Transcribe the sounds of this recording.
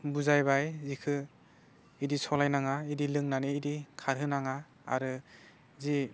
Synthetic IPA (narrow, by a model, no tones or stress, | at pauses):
buzajbajzikʰɯ | idisɔlajnaŋaidilɯŋnaniːdikʰaɾɦɯnaŋa | a̰ɾɯ | zi